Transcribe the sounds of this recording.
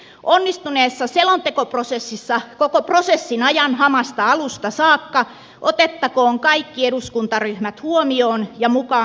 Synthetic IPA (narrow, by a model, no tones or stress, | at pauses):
ʔonːist̪uneːsːɑselont̪ekoprosesːisːɑkokoprosesːinɑjɑnhɑmɑst̪ɑɑlust̪ɑsɑːkːɑ | ʔot̪et̪ːɑkoːŋkɑikːieɾuskunt̪ɑryhmæt̪huomioːnjɑmukɑː